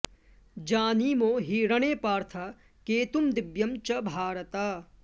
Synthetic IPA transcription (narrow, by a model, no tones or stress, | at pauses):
d͡ʒaːniːmoːɦiːɾɐɳ̃eːpaːɾt̪ʰa | keːt̪umd̪ɪbjɐmt͡ʃɐbʱaːɾət̪aː